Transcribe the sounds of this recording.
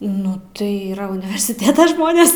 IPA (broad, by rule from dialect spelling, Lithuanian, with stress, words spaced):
nʊ ˈtɐɪ ˈiːrɐ ʊnʲɪʋʲɛrʲsʲɪˈtʲeːtɐ ˈʒmoːnʲeːs